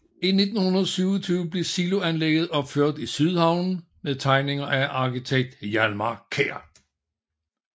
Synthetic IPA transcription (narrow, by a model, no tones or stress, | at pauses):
ine̝d̥n̩hunɐðˠsyːʊɐt͡sʰyːʊəb̥le̝silo̝ænleɡ̥ð̩ˠɒ̽b̥føɐ̰d̥isyð̞ˠhɑ̈ʊ̰n | meðˠt͡sʰɑ̈ɪne̝ŋɐʔæʔɑ̈kit͡sʰeɡ̥̚d̥jælmɑkʰeɐ̰